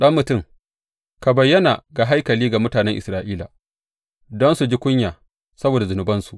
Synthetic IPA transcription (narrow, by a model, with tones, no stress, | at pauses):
ɗɐ˦mmʊ˨tʊ˦˨ŋ | ka˨bɐ˨jːɐ˦na̰˨ɡa˨ɦa˦jkɐ˨liː˦ɡa˨mʊ˦taː˨nɛ˦ŋʔɪ˨sɾaː˦ʔiː˦la̰˨ | dɔ˦nsu˨d͡ʒi˦kʷʊ˦ɲjaː˨ | sɐ˦boː˨da˨zʊ˨nʊ˨˦bɐ˦nsu˨ʔ